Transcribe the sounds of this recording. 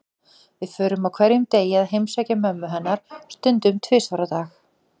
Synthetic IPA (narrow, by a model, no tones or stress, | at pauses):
vɪðfœːɾʏmawkʰvɛɾjʏmt̪eːjaðhejmsaːjcamœmːʏɦɛnːaɾ̥st̪ʏnt̪ʏmt̪ʰvɪːsaɾat̪aːx